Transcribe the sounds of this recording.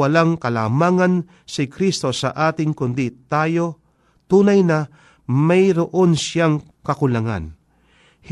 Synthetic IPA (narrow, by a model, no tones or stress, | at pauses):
alaŋkɐlaːmaːŋan | sɪkɾist̪o̞sa̰ʔaːt̪ɪŋkʊnd̪it̪aːjo̞ | t̪uːnajna | majɾoʔonsaŋ | kɐkʊlaŋa̰n | h